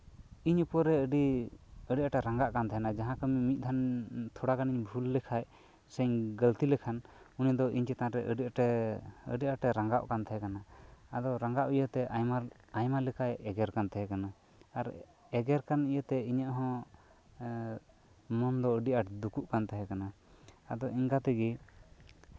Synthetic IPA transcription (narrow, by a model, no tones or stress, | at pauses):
iɲupɔɾɛəɖiəɖiaʈɛɾaŋɡaʔkant̪ɛɦɛnad͡ʒaɦãkəmmit̪̚d̪ʱant̪ʰɔɽakaniɲbʱulːɛkʰaj | səɲɡəlt̪ilɛkʰan | unid̪ɔiɲt͡ʃɛt̪ãɾɛʔəɖiʔʈɛə̰ɖiʔaʈɛɾãŋɡaʔkant̪ɛɦɛkanaad̪ɔɾaŋɡaʔijət̪ɛʔajma | ajmalɛkʰajɛɡɛɾkant̪ɛɦɛkana | aɾ | ɛɡɛɾkanijət̪ɛiɲəʔɦɔ̃ | mɔnd̪ɔəɖiʔaʈd̪ukuʔkant̪ɛɦɛkana | ad̪ɔiŋkat̪ɛɡi